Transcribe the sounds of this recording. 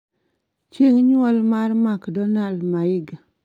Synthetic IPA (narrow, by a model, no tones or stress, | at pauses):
t͡ʃeŋɲwɔlmarmakdɔnaldmaɪɡa